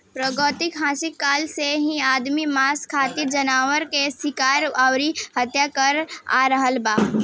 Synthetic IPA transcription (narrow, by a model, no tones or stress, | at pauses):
pɾəɡɔːt̪ɪkɦãːsɪkːaːlseɦĩaːd̪mimaːskʰaːt̪iɾd͡ʒənaːwəɾkesɪkaːɾawɾihət̪jakəɾa̰ɾəɦəlbaː